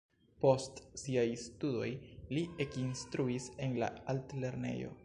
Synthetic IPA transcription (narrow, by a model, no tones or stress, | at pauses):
po̞stsiajstudo̞jlie̞kinstɾuise̞nla̰altle̞ɾne̞̰jo̞̰